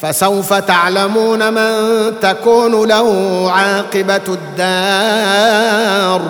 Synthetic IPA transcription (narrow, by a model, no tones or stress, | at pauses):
fasawfat̪aʕlamuːnamant̪akuːnʊlahʊʕɑːqɪbad̪ːaː | ɾˤ